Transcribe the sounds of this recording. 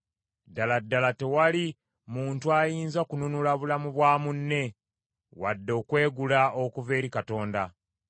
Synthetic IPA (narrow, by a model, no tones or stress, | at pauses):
daladːalate̞wali | muːntuajiːnzakununulaβulamuβwaːmunːe̞ | wa̰dːo̞ːkwe̞ːɡulaokuve̞ːɾikato̞ːnda